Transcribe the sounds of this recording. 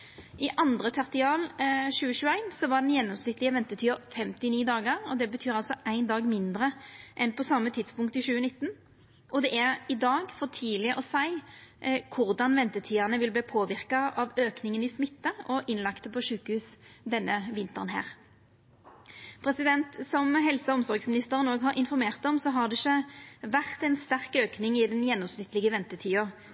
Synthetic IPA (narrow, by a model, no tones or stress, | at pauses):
ʔɪʔɑnd̪ʁət̪ʰɑʁt̪ɪɑːlɕʉːəʃʉːæɪnsɔʋɑɖ̪ɛnjɛnːɔmsnɪt̪lɪəʋɛnt̪ət̪ʰyːəʁfɛmt̪ɪniːd̪ɑːɡəʁɔd̪ɛbət̪ʰyːɾɑlsɔʔæɪnd̪ɑːɡmɪnd̪ɾəʔɛnpɔsɑmːət̪ʰɪd̪spʊŋkt̪ɪʃʉːənɪt̪ːn̩ | ʔɔd̪ɛʔæʁɪd̪ɑːɡfɔʁt̪ʰiːlɪəʔɔsæɪ | kʰʊʁd̪ɑnʋɛnt̪ət̪ʰiːɑnəʋɪlbliːpʰoːʋɪʁkɑʔɑʋøːknɪŋənɪsmɪt̪ːəɔʔɪnlɑkt̪əpʰɔʃʉːkəhʉːsd̪ɛnːəʋɪnt̪əʁnhæ̰ːʁ | pʰʁɛsɪd̪ɛnt̪sɔmɦɛlsəɔmsɔʁɡsmɪnɪst̪əʁənoːɡɦɑɾʔɪnfɔɾmeːʁt̪ɔmsɔɦɑʁd̪ɛɪçːəʋæʁt̪ɛnst̪æʁkøːknɪŋɪd̪ɛnjɛnːɔmsnɪt̪lɪɡəʋɛnt̪ət̪ʰiːɑ